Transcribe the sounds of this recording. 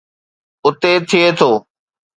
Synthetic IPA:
ʊt̪et̪ʰɪet̪ʰoː

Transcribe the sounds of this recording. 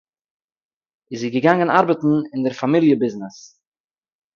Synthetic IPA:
ɪziɡəɡaŋənaɾbətn̩ɪndəɾfamilˠjəbɪznɪs

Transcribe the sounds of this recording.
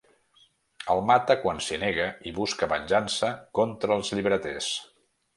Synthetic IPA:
əlˠmat̪əkwansineɣəiβuskəβənʲʒansəkɔnt̪ɾəːlˠzʎiβɾət̪es

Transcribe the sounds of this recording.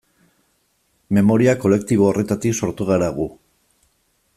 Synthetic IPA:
me̞mo̞ɾiako̞le̞kt̪iβ̞o̞ːre̞t̪at̪ikso̞ɾt̪uɣ̞aɾaɣ̞u

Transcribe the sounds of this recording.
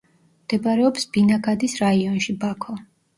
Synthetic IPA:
md̪̥ɛbaɾɛɔpsbinaɡad̪isɾaiɔnʃibakʰɔ

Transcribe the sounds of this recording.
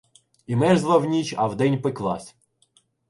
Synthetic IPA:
imɛʒzlˠɐwnʲit͡ʃɐwd̪ɛnʲpɪklˠɑ̰sʲ

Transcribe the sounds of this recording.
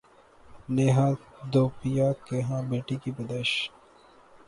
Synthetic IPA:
neːɦãːd̪oːpijaːkeɦãːbeːʈikibɐd̪əʃ

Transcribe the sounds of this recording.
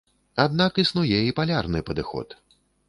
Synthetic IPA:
ad̪̚nakisnujɛipalʲarnɨpɐd̪ɨxɔ̰t̪

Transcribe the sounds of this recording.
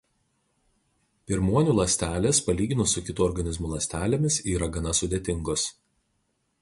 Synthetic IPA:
pʲɪɾmuɔnʲuːˑlˠɐsʲt̪ʲæːlʲeːspɐlʲiːɡʲɪnʊsʊkʲɪt̪uːɔɾɡɐnʲɪzmʊːlˠɐsʲt̪ʲæːlʲemʲɪsiːɾɐɡɐnɐsʊd̪ʲeːt̪ʲɪŋɡos

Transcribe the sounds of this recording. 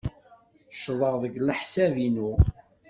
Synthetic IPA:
ʃðˤəʁðəɡləħsævinu

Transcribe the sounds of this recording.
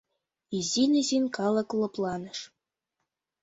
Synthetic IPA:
izʲinʲɘzinʲkɑlˠɤ̆klˠɤ̆plˠɑnɤ̆ʃ

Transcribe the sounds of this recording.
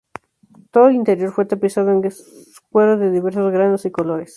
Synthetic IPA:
t̪o̞ðoelint̪e̞ɾjo̞ɾfwet̪apisaðoeŋ | skweðaðeðiβe̞ɾsozɣɾanosiko̞lo̞ɾes

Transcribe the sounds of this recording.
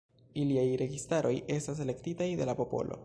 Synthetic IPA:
iliajɾe̞ɡistaɾʔo̞je̞stas̬ele̞ktitajde̞lapopo̞̰lʔo̞̰

